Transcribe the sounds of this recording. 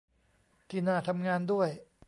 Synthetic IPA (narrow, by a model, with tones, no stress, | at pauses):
t̪ʰiː˧˩naː˧˩t̪ʰa˧mŋaː˧ndu˥˩əj